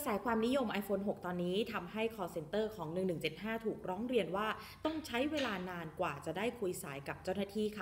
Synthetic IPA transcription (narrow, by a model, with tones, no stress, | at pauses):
saː˩˦jkʰwaː˧mni˦˥jo˧mʔa˧jfoː˧nɦo˨˩k̚t̪ɔː˧nːiː˦˥t̪ʰa˧mɦa˥˩jkʰɔː˧se˧nt̪ɤː˥˩kʰɔː˩˦ŋnɯ˨˩ŋnɯ˨˩ŋt͡ɕe˨˩t̪̚haː˥˩t̪ʰuː˨˩k̚ɾɔː˦˥ŋɾi˧ənwaː˥˩ | t̪ɔ˥˩ŋt͡ɕʰa˦˥jweː˧laː˧naː˧nkwaː˨˩t͡ɕa˨˩daː˥˩jkʰu˧jsaː˩˦jka˨˩p̚t͡ɕaː˥˩wnaː˥˩t̪ʰiː˥˩kʰa˥˩